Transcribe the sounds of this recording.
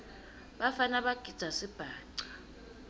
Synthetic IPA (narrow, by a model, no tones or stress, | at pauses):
ɓafanaɓaɡ̥ʱid̥z̥ʱasib̥ʱaːǀḁ